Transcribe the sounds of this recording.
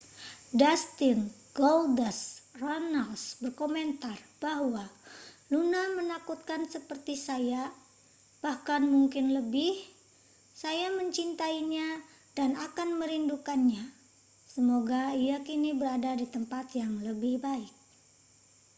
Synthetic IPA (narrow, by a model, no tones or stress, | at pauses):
dast̪ɪnɡ̥oldəsronalsbərkoment̪arb̥aɦwa | lunamənakut̪̚kansəpərt̪isaja | b̥ahkanmuŋkɪnləbɪh | sajaməɲt͡ʃint̪aiɲa | danakanməɾindukanɲa | səmoɡaijakinibəɾadadit̪əmpat̪jaŋləbɪhbaɪk̚